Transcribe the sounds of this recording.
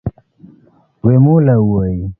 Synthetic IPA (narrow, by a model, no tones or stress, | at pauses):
wemulauwaji